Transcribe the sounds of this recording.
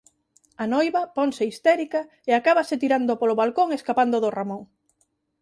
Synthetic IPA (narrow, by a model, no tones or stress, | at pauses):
anojβɐpoŋseist̪ɛɾika | eakaβaset̪iɾand̪opoloβalkoŋeskapand̪oðoramõŋ